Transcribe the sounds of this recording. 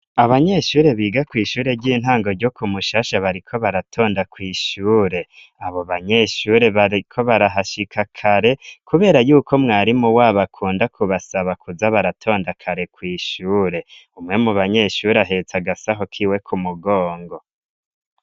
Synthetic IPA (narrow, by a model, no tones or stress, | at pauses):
aβaɲe̞ʃuːɾe̞βiːɡakwiːʃuːɾe̞ɾɟiːn̥ɦaːŋɡo̞ɾɟo̞kumuʃaːʃaβaɾikʰo̞βaɾatʰo̞ːndakwiːʃuːɾe̞ | aβo̞βaɲe̞ʃuːɾe̞βaɾikʰo̞βaɾaɦaʃikʰakʰaɾe̞kʰuβe̞ːɾajuːkʰo̞mŋaːɾimuwaːβakʰuːndakʰuβasaβakuzaβaɾatʰo̞ːndakʰaɾe̞kwiːʃuːɾe̞ | umŋe̞muβaɲe̞ʃuːɾaɦe̞t͡saɡasaɦo̞kʰiːwe̞kʰumuɡoːŋɡo̞